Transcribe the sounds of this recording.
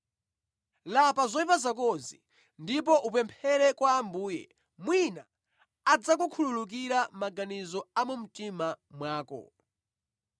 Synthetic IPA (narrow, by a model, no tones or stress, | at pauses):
lapazɔipazakɔzḭ | ndip̬ɔʔupɛmpʰɛɾɛkwaːmbuːjɛ̰ | mwinaː | d͡zak̬ukʰululuk̬iɾamaɡanizɔamum̩timamwaːkɔ̰